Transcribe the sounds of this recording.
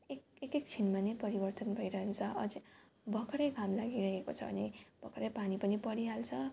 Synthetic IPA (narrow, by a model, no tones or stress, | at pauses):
ek̚ekek̚t͡sʰinmanejpʌɾibʌrt̪ʌnbʱʌjɾʌɦent͡sʰʌʔʌ̰d͡zi | bʱʌkɾʌjɡamlaɡiɾʌɦeko̰t͡sʰʌ̰bʱʌ̰neb̥ʌkɾʌjpanipʌnipʌɽiɦalt͡sʰʌ